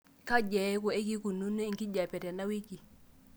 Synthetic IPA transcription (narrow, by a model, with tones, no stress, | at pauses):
ka˦ɟɛ˨˦ku˨e˦ki˦ku˨nu˦ne˦ŋki˦ɟa˨pɛ˨tɛ˨na˦wi˦ki˨